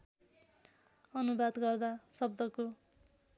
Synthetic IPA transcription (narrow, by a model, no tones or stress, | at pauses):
ʌnubad̪ɡʌrd̪asʌb̚d̪ʌko